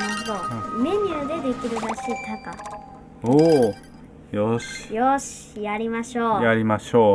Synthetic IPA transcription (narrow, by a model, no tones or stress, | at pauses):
naɾɯɦod̪o̞me̞ɲ̟ʲɯːd̪e̞d̪e̞kʲiɾɯ̟ɾaɕiːt̪aka | o | joɕi̥joɕi̥jaɾʲimaɕoːjaɾʲimaɕoː